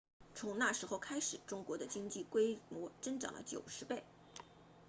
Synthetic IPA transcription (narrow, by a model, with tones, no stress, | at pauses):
t͡sʰʊ˧˥ŋna˥˩ʂɻ̩˧˥xʊkʰa˥ɪʂɻ̩˨˩ʈ͡ʂʊ˥ŋkwɔ˧˥d̪ə˧t͡ɕi˥ŋt͡ɕi˥˩kwe˥ɪmwɔ˧˥ʈ͡ʂə˥nʈ͡ʂɑ̰˨˩ŋlʔə̰˦t͡ɕjo̰˨˩ʊʂɻ̩˧˥pe˥˩ɪ